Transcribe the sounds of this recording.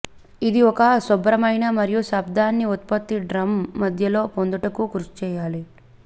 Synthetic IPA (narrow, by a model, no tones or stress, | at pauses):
id̪iɔkɐsɔbɾɐmɐjnɐmɐɾijusɐbd̪aːnːiut̪̚pɐt̪ːiɖɾɐmːɐd̪ʱjɐlo̞ːpond̪uʈɐkukuɾt͡ʃu̥t͡ʃɛːjaːli